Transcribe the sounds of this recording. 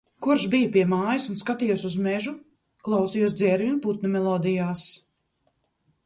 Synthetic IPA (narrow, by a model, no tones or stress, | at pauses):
kuɾʃbijɐpiɛmaːjisunskat̪ijusuzmɛʒu | klˠawsijɔsd̪zɛɾvʲinput̪̚nʲɔmɛlˠɔːd̪ijaːs